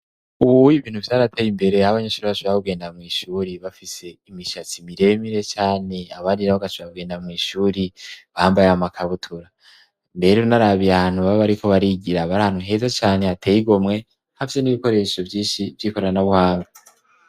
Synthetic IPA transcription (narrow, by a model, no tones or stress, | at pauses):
uβuiβiːn̥uvjaːɾatʰejimbe̞ɾe̞haβaɲeʃuːɾiβaʃoβakuɡe̞ːndamŋiːʃuːɾiβafise̞imiʃat͡simiɾe̞miɾe̞t͡ʃaːne̞aβaɾiɾaβoɡaʃoβakuɡe̞ːndaamŋiːʃuːɾiβahaːmbajeamakʰaβutʰuɾa | mbe̞ɾeunaɾaβijahaːn̥huβaβaɾikʰo̞βaɾiɟiɾaβaɾahan̥huɦe̞zat͡ʃaːne̞hatʰeːjiɡo̞mŋe̞ | hafise̞niβiko̞ɾe̞ʃo̞vjiːnʃivjiko̞ɾanaβuhaːŋɡa